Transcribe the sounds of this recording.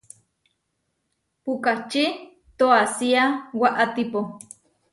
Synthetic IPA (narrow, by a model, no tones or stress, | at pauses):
pukat͡ʃi | t̪oasiawaʔat̪ipo